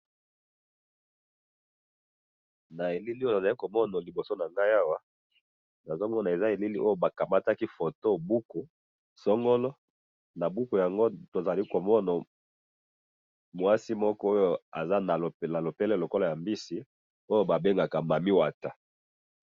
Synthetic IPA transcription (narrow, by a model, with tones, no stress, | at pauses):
na˨e˨li˦li˦˨a˨za˨li˦ko˨mɔ˦na˨li˨bo˨so˦na˨ŋɡa˦ja˦wa˦ | na˨zɔ˦ŋɡɔ˦na˨e˨za˦e˨li˦li˦ʔo˦jo˦ba˨ka˨ma˦ta˦ki˦fo˨to˦bu˦ko˨ | sɔ˦ŋɡɔ˦lɔ˦ | na˨bu˦ko˨ja˨ŋɡo˦to˨za˨li˦ko˨mɔ˦na˨ | mwa˦si˦mɔ˦kɔ˦o˦jo˦a̰˨za˦na˨na˨lo˨pɛ˦lɛ˦lo˨ko˦la˨ja˨mbi˦si˦ | o˦jo˦ba˨be˦ŋɡa˨ka˨ma˨mi˦wa˨ta˨